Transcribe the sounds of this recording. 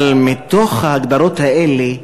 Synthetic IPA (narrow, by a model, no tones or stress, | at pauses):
lmit̪o̞χhaaɡd̪aɾo̞t̪haele